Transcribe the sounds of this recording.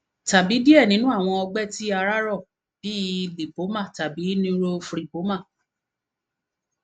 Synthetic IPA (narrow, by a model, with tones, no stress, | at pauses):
ta˨bi˨˦di˦ɛ˦˨nĩ˨˦nũ˦a˦˨w̃ɔ̃˧ɔ˧ɡ͡bɛ˦ti˦a˧ɾa˦ɾɔ˦˨ | b̥i˦li˨po˨˦mã˦˨ta˨bi˨˦nĩ˦ɾo˦fɾi˦˨po˨˦mã˦˨